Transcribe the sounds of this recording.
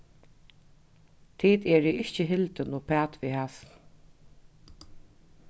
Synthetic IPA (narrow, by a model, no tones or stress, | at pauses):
t̪ʰiːt̪ɛɹiɪht͡ɕəɦɪlt̪ənʊpʰæːt̪ʋihaːsn